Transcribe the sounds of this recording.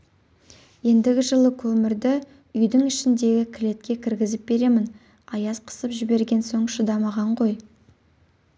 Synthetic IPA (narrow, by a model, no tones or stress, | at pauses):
je̞nd̪ɪɡʲɪʒəlˠəkʲʰɵmɪɾd̪ɪ | ʏjd̪ɪŋɪʃɪnd̪e̞ɡʲɪkʲʰɪle̞t̪kʲe̞kʲʰɪɾɡʲɪzɪp̚be̞ɾe̞mɪn | ɑjɑzqʰə̥səpʒɪbe̞ɾɡʲe̞nso̞ɴʃəd̪ɑmɑʁɑɴqo̞j